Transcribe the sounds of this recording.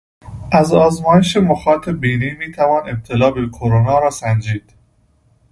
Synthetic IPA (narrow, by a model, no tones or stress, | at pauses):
ʔæzɒːzmɒːjeʃemoxɒːt̪ʰebiːniːmiːt̪ʰævɒːne̞b̚t̪ʰelɒːbekʰoɾonɒːɾɒːsænd͡ʒiːd̪̥